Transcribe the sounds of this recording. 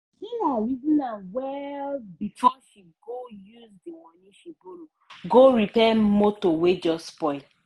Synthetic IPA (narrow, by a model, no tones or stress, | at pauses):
inawizĩnanwɛbitʰɔʃiɡojuzdewɔniʃiboloɡoɹipɛmotowed͡ʒɔspɔɪl